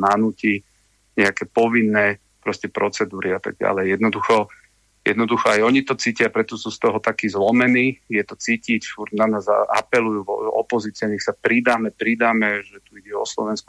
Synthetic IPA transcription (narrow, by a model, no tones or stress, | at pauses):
nanuːci | ɲɛakɛːpɔʋinːɛː | pɾɔscɛpɾɔt͡sɛd̪uːɾiat̪a̰ɡ̚ɟa̰lɛjjɛd̪nɔd̪uxɔ | jɛ̰d̪nɔd̪uxɔajɔɲit̪ɔt͡siːcɪapɾɛt̪ɔsuːst̪ɔɦɔt̪akiːzlɔmɛniːjɛt̪ɔt͡siːcicfuɾɟnanaːzaa̰pɛlujuːvɔ̰pɔziːt͡siaɲɛxsapɾid̪aːmɛpɾid̪aːmɛʒɛt̪uiɟɛɔ̰slɔ̰ʋɛnsku